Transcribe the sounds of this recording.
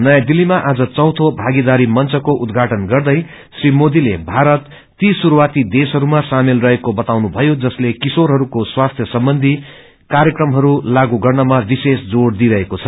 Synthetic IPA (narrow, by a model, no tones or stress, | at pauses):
nʌjad̪ilːimaʔad͡zʌt͡sʌ̃w̃t̪ʰobʱaɡid̪aɾimʌnt͡sʌkoʔud̪ɡʱaʈʌnɡʌrd̪ʌj | srimod̪ilebʱaɾʌt̪ː | isuɾuwat̪id̪esɦʌɾumasamelrʌɦekobʌt̪awnubʱʌjod͡zʌslekisoɾɦʌɾukoswast̪ʰjʌsʌmbʌnd̪ʱi | kaɾjʌkrʌmɦʌɾulaɡuɡʌrnʌmabisesd͡zoɽd̪iɾʌɦekot͡sʰʌ